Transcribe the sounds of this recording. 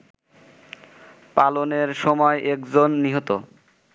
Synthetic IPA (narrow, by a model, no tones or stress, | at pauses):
paloneɾʃɔmɔeʔekd͡ʑonːiɦot̪o